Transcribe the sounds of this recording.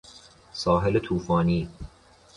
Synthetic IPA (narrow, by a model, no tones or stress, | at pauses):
sɒːɦelet̪ʰuːfɒːniː